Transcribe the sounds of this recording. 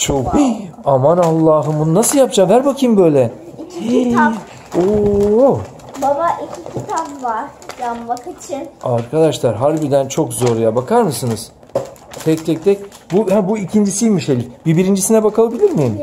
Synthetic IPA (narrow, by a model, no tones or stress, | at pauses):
t͡ʃʰoki | amanalˠːaːɦɯmbununasɯlˠjapd͡ʒaːmɦæɾbakʰɯmbø̞jlʲɛiiit̪ʰam | o | babaʔicʰikʰit̪ʰamvaɾ | jammakɯt͡ʃʰiaɾkʰad̪aʃlˠaɾɦaɾbiɾd̪ænt͡ʃʰo̞kzo̞ɾujabakʰaɾmɯsɯnɯz̥ | t̪ʰɛct̪ʰɛc̚t̪ʰɛcbuhæbuicʰind͡ʒisijmiʃelʲifbiɾbiɾind͡ʒisinɛbakʰalˠabilʲiɾmijim